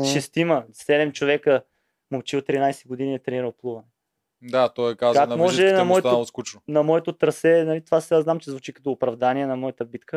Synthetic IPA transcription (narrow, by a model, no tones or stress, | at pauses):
ʃɛst̪imɐsɛd̪ɛmt͡ʃovɛkə | mot͡ʃilˠt̪ɾinajsɛɡod̪iniɛt̪ɾɛniɾəlˠplˠuvɐnɛ | d̪at̪ɔjɛkazkaknmɔʒʒɛnɐmmɔɛt̪alskut͡ʃnonɐmɔɛt̪ot̪ɾɐsɛnɐlit̪ovasɛaznamt͡ʃɛzvut͡ʃikɐ̥t̪oːpɾɐvd̪aniɛnɐmɔjɐt̪əbit̪kə